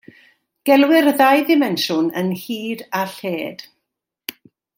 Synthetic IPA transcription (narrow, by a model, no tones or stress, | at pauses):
ɡ̥ɛlˠwɪrðajðɪmɛnʃʊnənhiːdaɬeːd̥